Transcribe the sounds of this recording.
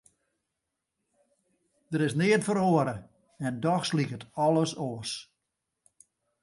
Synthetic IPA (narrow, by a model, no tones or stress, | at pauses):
d̥əɾɪsnɪːətfəɾoəɾə | ɛndɔxslikətɔlˠəsos